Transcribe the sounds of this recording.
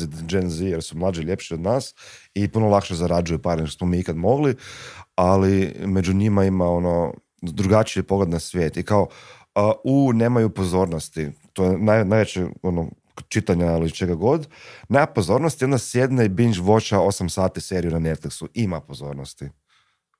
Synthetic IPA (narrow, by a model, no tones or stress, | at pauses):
id͡ʒenzijeɾsumlˠaːd͡ʒiʎe̞pʃio̞d̪naːsipunolˠakʃezaɾad͡ʒujupaɾnʃt̪osmomiːikad̪mo̞ɡlialime̞d͡ʒuɲimaimao̞no̞ | d̪ɾuɡat͡ʃiipo̞ɡled̪nasʋjeːt̪ikao | uːne̞ːmajupo̞zo̞ːɾnost̪it̪ojenajnajʋet͡ʃeo̞no | t͡ʃit̪aɲailit͡ʃe̞ɡaɡo̞d̪neapo̞zo̞ːɾnost̪jond̪asje̞d̪neibiɲd͡ʒʋo̞t͡ʃao̞samsaːt̪ise̞ɾijunanet̪fliksuimapo̞zo̞ːɾnost̪i